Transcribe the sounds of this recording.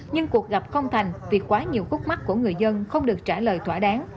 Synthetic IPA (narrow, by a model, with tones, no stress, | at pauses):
ɲɨ˧ŋku˨˩ək̚ɣa˨˩p̚xə˧wŋ͡mt̪ʰa˨˩jŋ̟vi˨˩kwaː˨˦ɲi˨˩əwxu˦˥k̚ma˦˥k̚ku˧˩əŋɨ˨˩əjzə˧nxə˧wŋ͡mɗɨ˨˩ək̚t͡ɕaː˧˩ləː˨˩jt̪ʰwaː˧˩ɗaː˨˦ŋ